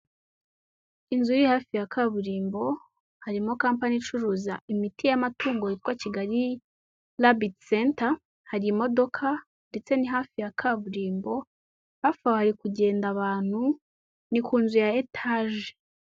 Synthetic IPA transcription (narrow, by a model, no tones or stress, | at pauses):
inzujihaːfijakʰaβuɾiːmbo̞ | haɾimokaːmpanit͡ʃuɾuːzaimitijamatuːŋɡoitwaciɡaɾi | labitsenta | haɾimo̞do̞kʰa | nde̞t͡se̞niɦaːfijakʰaβuɾiːmbo̞ | βafawohaɾikuɟe̞ːndaβaːn̥hu | nikuːnzujaetʰaʒe